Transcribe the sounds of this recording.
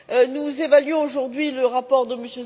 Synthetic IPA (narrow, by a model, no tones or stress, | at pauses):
ønuzevalɥɔ̃oʒuʁd̪ɥiləʁapɔʁd̪əməsjø